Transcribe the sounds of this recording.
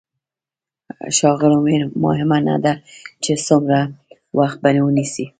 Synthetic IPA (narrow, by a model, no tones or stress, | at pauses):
ʃɑɣɪlʊmeɾmɑ̰ɦɪmana̰d̪at͡ʃesʊmɾa | wʔaxt̪̚banewənisi